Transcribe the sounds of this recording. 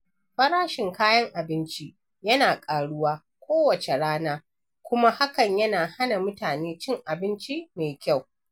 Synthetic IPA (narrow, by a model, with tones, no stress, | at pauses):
ɸɐ˦ɾaː˦ʃɪ˨ŋkaː˦jɐ˦ŋʔa˨bɪ˦nt͡ʃi˦ | jɐ˦naː˨kʼaː˨ɽʊ˦waː˦ | kʷoː˦wɐ˨t͡ʃe˨ɽaː˦naː˦ | kʷʊ˦ma˦ha˦kɐ˨ɲjɐ˦naː˨ha˦na˨mʊ˦taː˨neː˦t͡ʃɪ˦ŋʔa˨bɪ˦nt͡ʃi˦meː˨kʲa˦˨w